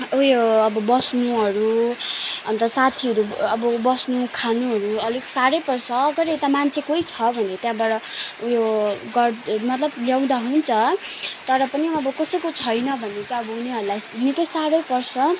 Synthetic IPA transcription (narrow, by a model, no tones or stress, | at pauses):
ujoːbʌbʌsnuɦʌɾu | ʌnt̪ʌsat̪ʰiʌɾuʌbʌbʌsnukʰanuɦʌɾuʌliɡsaɾʌjpʌrsʌːɡʌɾet̪amant͡sʰekoit͡sʰʌbʱʌnet̪jãbaɾʌujoɡʌrmʌt̪lʌbljaw̃d̪aɦunt͡sʰʌt̪ʌɾʌpʌniʌbʌkʌsʌjkot͡sʰʌjnʌbʱʌnːet͡saʌbʌuneɦʌɾulajnipʌisaɾʌjpʌrsʌ